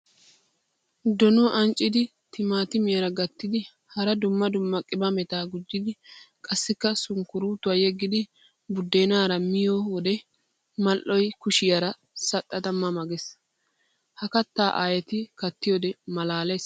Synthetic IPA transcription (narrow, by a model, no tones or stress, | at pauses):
d̪ɔnɔʔɐnt͡ʃʼːɪd̪ɪ | t̪ʰɪmaːt̪ɪmɪjɐɾɐɡɐt̪ːɪd̪ɪ | hɐɾɐd̪ʊmːɐd̪ʊmːɐkʼɪbɐmɛt̪aːɡʊd͡ʒːɪd̪ɪkʼɐsːɪkːɐsʊŋkʊɾuːt̪ːʊaːjɛɡːɪd̪ɪ | bʊd̪ːeːnaːɾɐmɪjowɔd̪ɛ | mɐlʔːɔjkʊʃɪjɐɾɐ | sɐt̪ʼːɐt̪ɐmːɐmɐɡɛs | hɐkɐt̪ːaːʔaːjɛt̪ɪkɐt̪ːɪjoːd̪ɛmɐlaːles